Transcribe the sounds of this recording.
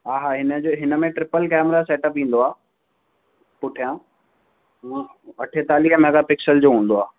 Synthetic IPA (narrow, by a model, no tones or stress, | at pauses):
ɦaːɦaːɦɪnəd͡ʑoːɦɪnə̆mẽʈɾɪpəlkɛːmɾasɛːʈəpʋĩːn̆d̪oaː | pʊʈʰijãː | ɐʈʰet̪aːliːɦəmɐɡapɪksəld͡ʑoːɦũːn̆d̪oaː